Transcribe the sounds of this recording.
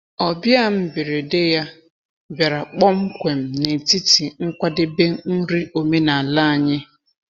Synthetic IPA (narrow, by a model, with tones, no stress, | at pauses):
ɔ˨bja˦m̩˦bɪ˨ɾe˨de˦ja˦ | ba˨ɾa˨k͡pɔ˦ŋ͡m̩˦kʷe˨m̩˨ne˨ti˦ti˨ŋ̩˦kʷa˦dɪ˦be˦n̩˦ɾi˦ʔo˨me˦na˨a˨la˦a˨ɲɪ˦